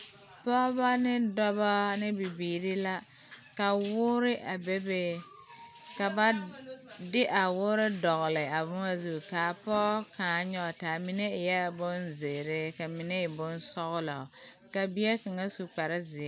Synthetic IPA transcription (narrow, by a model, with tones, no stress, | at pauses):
pɔ˦ba˦nɪ˦dɔ˦ba˦nɪ˦bi˨biː˨ɾɪ˦la˦ | ka˨wʊ˦ɾɪ˦ʔa˨be˦be˦ | ka˨ba˦ | dɪ˦ʔa˨wʊː˦ɾɪ˦dɔ˨ɣʊ˨lɪ˨a˨bʊ˦ŋa˦zu˦˨ka˨pɔː˦kaː˨˦ɲɔ˦˨taː˨mi˨˦ne˦ɪ˨jɛ˦˨bʊ˦nzɪ˨ɾɪ˦ka˨mi˨ne˦ɪ˨bʊ˦nsɔ˦ɣʊ˦lɔ˨ | ka˨bi˦ɛ˦ka˨ŋa˦su˨k͡pa˨ɾɪ˦zɪ˨˦